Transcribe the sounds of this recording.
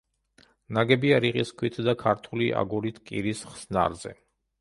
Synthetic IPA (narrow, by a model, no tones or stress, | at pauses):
naɡɛbiaɾiqʼiskʰwit̪ʰd̪akʰaɾt̪ʰuliʔa̰ɡuɾit̪ʰkʼiɾisχsna̰ɾzɛ̰